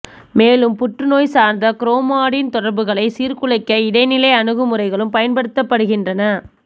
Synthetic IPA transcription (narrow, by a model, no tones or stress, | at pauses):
meːlɯmpʊʈrɯnoːjsaːɾnd̪ɐkɪɾoːmaːɽɪnt̪ɔɽɐɾbɯɣɐɭɐɪsiːɾkʊɭɐɪkːɐɪɽɐɪnɪlɐɪɐnɯɣɯmɯrɐɪɣɐɭɯmpɐjɐnpɐɽɯt̪ːɐpːɐɽɯɣɪndrɐnɐ